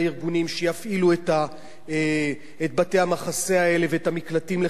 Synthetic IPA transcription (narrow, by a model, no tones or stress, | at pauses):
iʁɡunimʃejafʔilueta | et̚bate̞jhamaχase̞ae̞leveetamiklatimle